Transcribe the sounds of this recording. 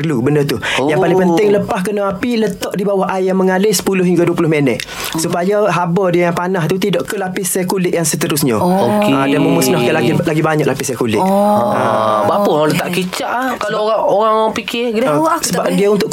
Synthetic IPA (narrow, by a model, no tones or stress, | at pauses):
rlubəndət̪ujaŋpalɪŋŋpənt̪ɪŋləpahkənaapilət̪ɔʔdibawahʔajaməŋalɪsə̥pulʊhɦiŋɡaduəpulʊhmenət̪̚ | supajaɦabədiəjaŋpanaht̪ut̪idɔʔkəlapɪsajkulɪʔjaŋsət̪əɾʊsɲaoadanməmusnɔhkalaɡilaɡibaɲaʔ̚lapɪsajəkulɪʔa̰baʔpʊnlət̪aʔkit͡ʃaʔahkaloɣaoɾaŋoɾaŋpikʰɪdsəbap̚diəunt̪ʊʔ